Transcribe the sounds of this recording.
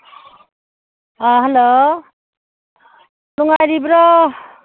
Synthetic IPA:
ɦelo | nuŋajɾibɾɔ

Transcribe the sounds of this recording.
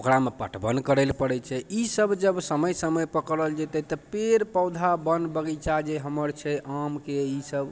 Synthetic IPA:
okɾamepəʈʰbənkəɾɛlpəɽɛt͡ʃʰɛʔisəbd͡ʒəbsəməjsəməjpəkɾəld͡ʒet̪ɛt̪ɔpeɾpəwd̪ʱabənbəɡɛt͡ʃad͡ʒeɦəməɾt͡ʃʰɛʔamkeisəb

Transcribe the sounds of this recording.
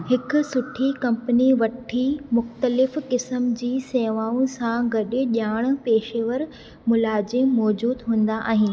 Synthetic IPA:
hɪkʊ̆sʊʈʰikɐ̃mpəniʋɐʈʰimʊxt̪əlɪfkɪsəmd͡ʑiːseːʋaːũsãɡɐɗɪʄaːɽ̃̆peːʃeʋəɾ | mʊlaːd͡ʑemɔːd͡ʑuːd̪ɦũːn̆d̪aʔa̰ːɦɪn

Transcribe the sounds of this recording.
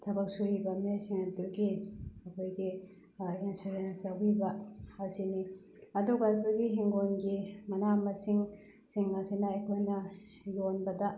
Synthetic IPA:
tʰɐbɐk̚suɾibɐmesiŋɐtuɡiɐkʰojɡi | inseɾensabibɐasini | ɐduɡajpɐɡiɦiŋɡonɡimɐnamɐsiŋ | siŋːasinɐɐjkʰojnɐ | jonbɐdɐ

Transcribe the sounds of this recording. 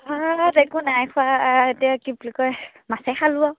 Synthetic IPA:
adekunajkʰʊaetiakiblikɔj | masɛxalua

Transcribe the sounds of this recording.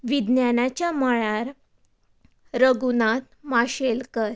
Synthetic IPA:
ʋid̪njanat͡ɕjaməɭaɾ | ɾəɡunat̪maɕelkəɾ

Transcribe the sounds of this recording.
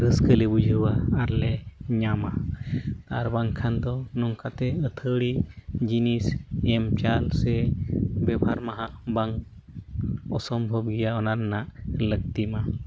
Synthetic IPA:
ɾəskəlɛbud͡ʒʱəwaːɾlɛɲamat̪aɾbaŋkʰand̪ɔnɔŋkat̪ɛət̪ʰəɽid͡ʒinisɛmt͡ʃalsɛbɛbʱaɾmaɦaʔbaŋ | ɔsɔmbʱɔbɡɛjaɔnaɾnaʔlək̚t̪ima

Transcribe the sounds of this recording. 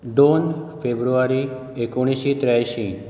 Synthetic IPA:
d̪onfebɾuʋaɾi | ekoɽ̃iʃit̪ɾaʃĩ

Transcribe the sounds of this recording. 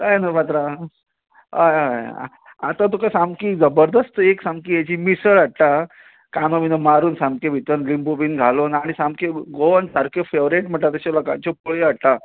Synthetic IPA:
kajnapat̪ɾa | ɦajɦaj̰ | a̰t̪ãt̪ukasamkiːd͡zəbəɾd̪əst̪əeksamkiːɦet͡ɕiːmisəɭaɽʈa | kamominomaɾuːnsãmkebʱit̪ənlimbobiːnɡʱaloːnaɽ̃isamkeɡoansaɾkofeʋɾeʈm̤əʈːat̪əɕalɔkã̰ɲt͡ɕopoɭiaɽʈ̪a

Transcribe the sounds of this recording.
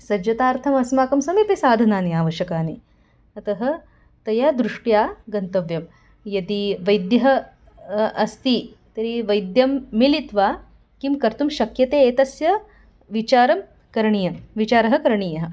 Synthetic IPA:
sɐd͡ʒjɐt̪aːɾt̪ʰɐmɐsmaːkɐmsɐmipisaːd̪ʱɐnaːniaːʋɐʃjɐkaːni | ɐt̪ɐɦɐ̆ | t̪ɐjaːd̪ɾuʂʈjaːɡɐnt̪ɐʋjɐm | jɐd̪iʋɐjd̪jɐɦɐ | ɐst̪i | t̪ɐɾiʋɐjd̪jɐmːilit̪ʋaː | kimkɐɾt̪umʃɐkjɐt̪eːeːt̪ɐsjɐ | ʋit͡ʃaːɾɐm | kɐɾɐɳiːjɐmʋit͡ʃaːɾɐɦɐ̆kɐɾɐɳiːjɐɦɐ̆

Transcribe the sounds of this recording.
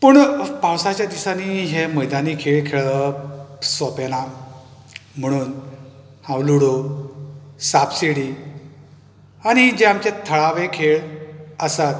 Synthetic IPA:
pəɳpãwsat͡ɕjad̪isaniɦeməjd̪aniːkʰeɭkʰeɭə | sɔpena | m̤əɽ̃uːn | hãwluɽo | sapseɽiː | añid͡ʑeamt͡ɕet̪ʰəɭaʋekʰeɭəsat̪

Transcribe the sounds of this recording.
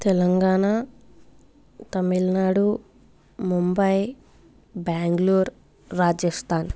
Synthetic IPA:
t̪ɛlɐŋɡaːna | t̪ɐmilnaːɽu | mumbɐj | baːŋɡluːɾː | aːd͡ʒɐst̪ʰaːn

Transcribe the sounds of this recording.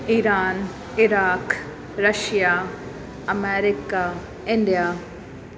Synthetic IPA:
iːɾaːn | ɪɾaːk | ɾɐʃjaː | ɐmɛːɾɪkaː | ɪ̃ɳɖijaː

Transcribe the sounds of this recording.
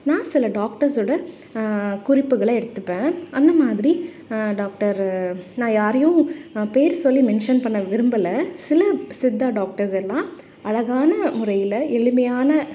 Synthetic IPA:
nãːsɪlɐɖaːk̚ʈɐɾsoːɽɐ | kʊɾɪpːɯɣɐɭɐɛɽɯt̪ːɯpːẽːʔɐnd̪ɐmaːðɪɾi | ɖaːk̚ʈɐɾnãːjaːɾɐjʊ̃peːɾsɔlːimɛnʂɐnpɐɳːɐʋɪɾɯmbɐlɐsɪlɐsɪd̪ːaːɖaːk̚ʈɐɾsɛlːãː | ɐɭɐɣaːnɐmʊɾɐjɪlɐɛɭɯmɐjaːnɐ

